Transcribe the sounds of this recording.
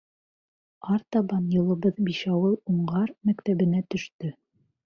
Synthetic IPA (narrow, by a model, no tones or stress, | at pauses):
ɑɾt̪ɑβɑnjɤ̆lˠɤ̆βɤðbiʃɑwɤuɴʁɑɾmækt̪æβɘ̆næt̪ɵ̆ʃt̪ɵ